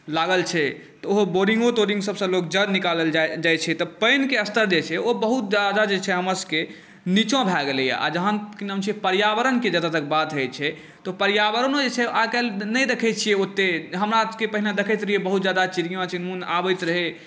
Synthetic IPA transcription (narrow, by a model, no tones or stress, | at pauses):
laɡəlt͡ʃʰɛ | t̪ɔoɦoboɾĩŋɡoʈoɾĩŋɡsəbsə̃lok̚d͡ʒəd̪nikaləld͡ʒajt͡ʃʰɛt̪ɔpəjnkeəst̪əɾd͡ʒet͡ʃʰɛobəɦut̪̚d͡ʒad̪ad͡ʒet͡ʃʰɛɦəməske | nit͡ʃõbʱɛɡeleja̰ʔa̰d͡ʒəɦənkinə̃mt͡ʃʰiɛpəɾjabəɾənked͡ʒəd̪at̪ək̚bad̪ɦəjt͡ʃʰɛ | t̪ɔpəɾjaβəɾənod͡ʒet͡ʃʰɛʔakɛlnəjd̪ekʰəjtt͡ʃʰijɛot̪ːeɦəmɾakepəɦinad̪ekʰəjt̪ɾijebəɦut̪d͡ʒjad̪at͡ʃiɾijõt͡ʃinunabət̪ɾəɦe